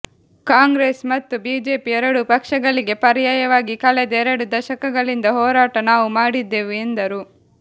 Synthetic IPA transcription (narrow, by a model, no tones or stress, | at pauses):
kaːŋɡɾeːsmɐt̪ːubiːd͡ʒe̞ːpiɛɾɐɽupɐkʂɐɡɐɭiɡe̞pɐɾijaːjɐʋaːɡikɐlɛd̪ɐɛɾɐɽud̪ɐʃɐkɐɡɐɭind̪ɐɦɔːɾaːʈɐnaːʋumaːɽid̪ːe̞ːʋiend̪ɐɾu